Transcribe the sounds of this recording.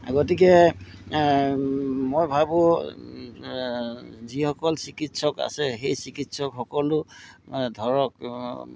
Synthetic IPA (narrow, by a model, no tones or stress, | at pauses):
ɡɔtik̬ɛ | mojbʱabʊ | zihɔkɔlsikitsɔka̰sɛxejsikitsɔkxɔkɔlʊ | dʱɔɹɔk̚